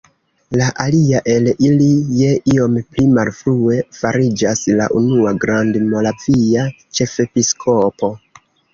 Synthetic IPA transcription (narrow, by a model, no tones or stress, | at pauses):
laʔaliaʔe̞lilije̞ʔio̞mplimalfɾue̞faɾid͡ʒasla̰ʔunuaɡɾandmo̞lavia | t͡ʃe̞fe̞piskʰo̞po̞